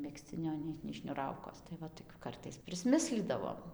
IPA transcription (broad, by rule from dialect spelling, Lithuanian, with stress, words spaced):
mʲɛksʲˈt͡sʲɪnʲoː ˈnʲɛɪ nʲɛɪ ʃʲnʲʊˈrɐʊkoːs tɐɪ ˈʋɐ toːˈkʲʊ ˈkɐrtɐɪs pʲrʲɪsʲˈmʲɪsʲlʲiːdɐʋoːm